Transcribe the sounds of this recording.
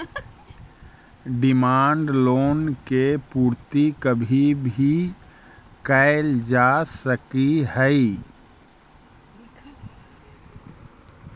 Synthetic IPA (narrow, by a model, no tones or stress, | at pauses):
ɖɪmaːɳɖloːnkepuːɾt̪ikəbʱibʱi | kaɪld͡ʒasəkihəi